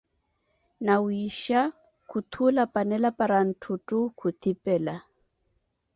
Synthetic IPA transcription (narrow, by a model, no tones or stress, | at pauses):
nawiʃa | kut̪ʰulapanɛlapaɾan̩tʰutukʰut̪ʰipɛla